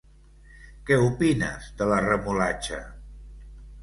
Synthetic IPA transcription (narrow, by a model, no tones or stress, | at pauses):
kɛupinə̰zðələrəmulat͡ʃə̰